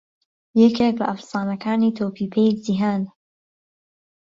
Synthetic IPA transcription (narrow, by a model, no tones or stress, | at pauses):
jɛkʰek̚bɐʔafsaːnɐkʰaːniːt̪ʰoːpʰiːpʰejziɦaːn